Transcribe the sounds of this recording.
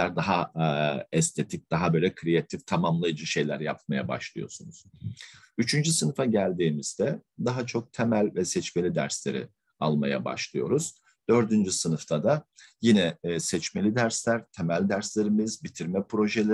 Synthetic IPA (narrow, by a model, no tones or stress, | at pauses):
æɾd̪aɦa | ɛst̪ʰe̞t̪ʰic̚d̪̥aɦabølʲɛkʰɾijat̪ʰift̪ʰamamlˠajad͡ʒɯʃe̞jlʲæɾja̰p̚maja̰ba̰ʃlˠɯjo̞̰sunuz̥ | yt͡ʃʰynd͡ʒysɯnɯfaɟælʲd̪iːmiz̥d̪ɛd̪aɦat͡ʃʰo̞k̚t̪ʰɛmælʲvɛsɛt͡ʃmelʲid̪æ̰ɾslʲe̞ɾḭ | alˠmaja̰ba̰ʃlˠɯjo̞̰ɾuz̥ | d̪̥ø̞ɾd̪ynd͡ʒysɯnɯft̪ʰad̪ajinɛsɛt͡ʃme̞lʲid̪æɾslʲæɾt̪ʰemælʲd̪æɾslʲe̞ɾimizbit̪ʰiɾmɛpɾo̞ʒelʲe